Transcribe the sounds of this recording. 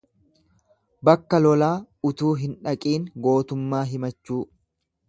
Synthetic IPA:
bɐkːɐlɔlaːʊt̪uːɦɪnᶑɐkʼiːŋɡo̞ːt̪ʊmːaːɦɪmɐt͡ʃːuː

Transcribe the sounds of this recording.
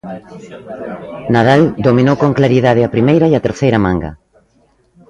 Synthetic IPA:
naðald̪omĩnowkoŋklaɾiðað̞ɪapɾimejɾaiat̪eɾθejɾamãŋɡa̰

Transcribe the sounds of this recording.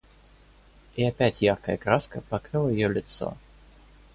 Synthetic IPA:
iapʲætʲjarkəjəkɾaskəpakɾɨlˠəjɪjolʲɪt̪so̰

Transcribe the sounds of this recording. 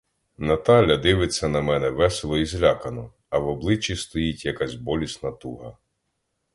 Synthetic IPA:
nɐt̪ɑlʲɐd̪ɪʋɪt͡sʲːɐnɐmɛnɛʋɛselˠɔizʲlʲɑkɐnɔ | ɐwɔblˠɪt͡ʃʲːist̪ɔjitʲjɐkɑzʲbɔlʲisnɐt̪uɦɐ

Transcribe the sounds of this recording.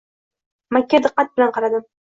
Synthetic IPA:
makʲːad̪ɨqːɑt̪̚bɪlanqʰɑɾad̪ɪm

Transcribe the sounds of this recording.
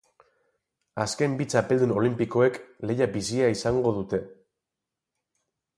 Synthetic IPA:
aske̞mbit͡sape̞ld̪uno̞limpiko̞e̞kle̞jabisiaisaŋɡo̞ðut̪e̞

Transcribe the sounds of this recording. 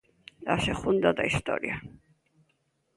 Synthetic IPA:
d̪asɛχund̪ɔd̪aist̪ʼɔ̰ɾḭa

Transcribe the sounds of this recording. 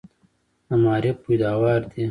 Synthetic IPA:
ɐmaːɾepːud̪aːwaːɾd̪i

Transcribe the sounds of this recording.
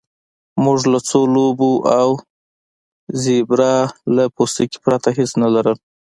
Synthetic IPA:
muʐlat͡solobuʔaw | zebɾɑlapost̪əke̥pɾat̪aɦesnalaɾəl

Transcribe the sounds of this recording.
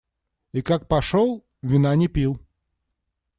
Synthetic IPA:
ikak̚paʂɔw | vʲinanʲɛpʲiw

